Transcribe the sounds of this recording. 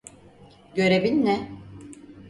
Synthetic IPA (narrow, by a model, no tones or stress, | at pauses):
ɟø̞ɾe̞binːɛ